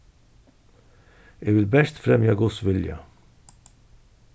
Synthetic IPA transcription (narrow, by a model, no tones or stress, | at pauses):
ɪvɪlbɛʃt̪fɾɛmjɐɡʊsvɪljɐ̰